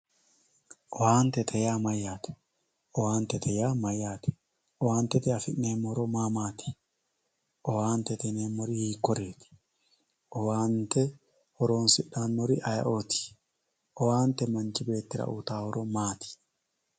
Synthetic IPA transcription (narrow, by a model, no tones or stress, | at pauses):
ʔɔwaːnt̪ɛt̪ʰɛjaːmɐjaːt̪ɛ̥ | ɔwaːnt̪ɛt̪ʰɛjaːmɐjaːt̪ɛ̥ | ʔɔwaːnt̪ɛt̪ɛɐfɪnneːmːɔɾomaːmaːt̪ɪ̥ | ʔɔwaːnt̪ɛt̪ɛnemːɔɾɪhiːkːɔɾeːt̪ɪ̥ | ʔɔwaːnt̪ɛ | ɔɾoːnsɪᶑːaːnːɔɾɪʔɐjɐ̰ʔoːt̪ɪ̥ | ʔɔwaːnt̪ɛmɐnt͡ʃɪbe̞ːt̪ːɪɾɐ̰ʔṵt̪aːhɔɾomaːt̪ɪ̥